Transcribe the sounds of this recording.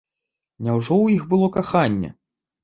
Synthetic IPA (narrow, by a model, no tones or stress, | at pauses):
nʲawʐɔwjiɣbɨlˠɔkaxanʲːɛ̰